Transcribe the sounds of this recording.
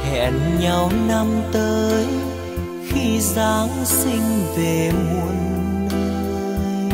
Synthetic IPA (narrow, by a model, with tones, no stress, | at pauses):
hɛ̰˧˩nɲa˧˩wna˧mt̪əː˨˦j | xi˧zaː˨˦ŋsï˧ŋ̟ve˨˩mu˨˩ənləː˧j